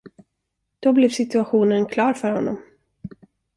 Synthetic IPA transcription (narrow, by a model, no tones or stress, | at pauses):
d̪̥ɔblɛvsɪt̪ɵaɧuːnənkʰlɑːɾfœɾhɔnːɔ̰m